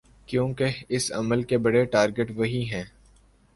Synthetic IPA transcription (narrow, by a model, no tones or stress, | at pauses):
kjõːkeɪsɐ̰məlkebɐɽeʈaːɾɡəʈʋɐɦiɦɛ̃ː